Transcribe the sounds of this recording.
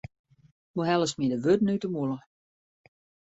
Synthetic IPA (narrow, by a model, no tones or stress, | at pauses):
muɦɛlˠəsmidəʋøtnytəmulə